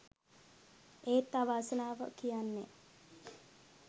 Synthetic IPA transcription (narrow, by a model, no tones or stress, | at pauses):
eːt̪ːaʋasənaːʋə̰kijanːe